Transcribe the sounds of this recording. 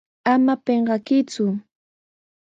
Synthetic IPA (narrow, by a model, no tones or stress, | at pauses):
amapeɴɢɑkɪt͡sʊ